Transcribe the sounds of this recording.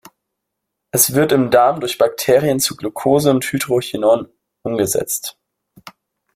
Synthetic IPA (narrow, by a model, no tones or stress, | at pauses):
ʔɛsv̥ɪɐtɪmdaːmdʊɐçb̥ak̚tʰeːʁiənt͡suɡlokʰoːzəʊnthydʁoçinɔn | ʔʊmɡəzɛ̰t͡st